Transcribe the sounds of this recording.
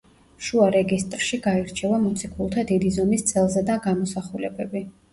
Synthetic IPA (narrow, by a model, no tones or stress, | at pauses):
ʃuaɾɛɡist̪ʼɾʃiɡaiɾt͡ʃʰɛvamɔt̪sʰikʰulˠt̪ʰad̪id̪izɔmist̪sʼɛlˠzɛd̪aɡamɔsaχulɛbɛbi